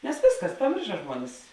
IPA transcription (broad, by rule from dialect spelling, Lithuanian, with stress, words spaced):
nʲɛs ˈʋʲeːsˌkɐs pɐˈmʲeːrʃɐ ˈʒmuɔnʲɪs